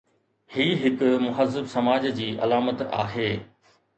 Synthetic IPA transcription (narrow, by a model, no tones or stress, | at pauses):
hiːɦɪkʊmʊɦəzːɪbsɐmaːd͡ʑd͡ʑiːʔɐ̰laːmət̪a̰ːɦeː